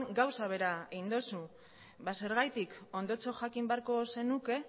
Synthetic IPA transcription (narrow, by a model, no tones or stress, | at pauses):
ŋɡawsaβ̞e̞ɾaeɣind̪o̞su | base̞ɾɣ̞ajt̪iko̞nd̪o̞t͡so̞ʝakimbeaɾko̞se̞nuke̞